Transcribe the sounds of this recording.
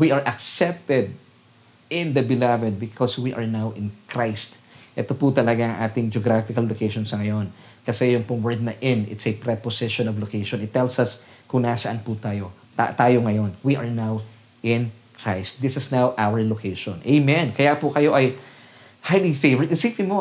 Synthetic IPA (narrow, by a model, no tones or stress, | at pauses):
wiʔɐɹʔɐksɛp̚t̪ɛd̪̚ | ɪ̃nd̪ɐbɪlavɛd̪̚bɪkʰɔswiʔɐɹnawʔɪ̃nkɹajst̪ʔɛt̪opʊt̪ɐlɐɡaʔɐŋʔaːt̪ɪŋd͡ʒoɡɾafɪkɐlːokejʃonsɐŋɐjo̞n | kɐsɛjʊŋpʊŋwɛɹd̪̚nɐʔɪ̃nɪ̰t̪sɐpɾɛposɛʃonɐvlokejʃonɪt̪ːɛlsɐs | kʊŋnasɐʔanpʊt̪aːjo̞ | t̪a̰t̪aːjoŋɐjo̞nwiʔɐɹnaw | ʔɪ̃n | kɹajst̪̚d̪ɪsɪsnawʔawəɹlokʰejʃõnʔejmɛ̃nkɐjapʊkɐjo̞ʔɐj | hajlifevəɹɪt̪̚ɪsɪmplimo